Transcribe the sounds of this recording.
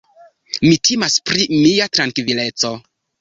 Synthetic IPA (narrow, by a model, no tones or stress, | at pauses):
mitʰimaspɾimiatɾaŋkvile̞t͡so̞